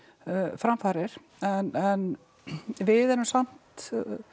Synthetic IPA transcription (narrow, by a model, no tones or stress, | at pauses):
fɾamfaːɾɪɾ̥ | ɛnɛn | vɪðɛɾʏmsam̥t̪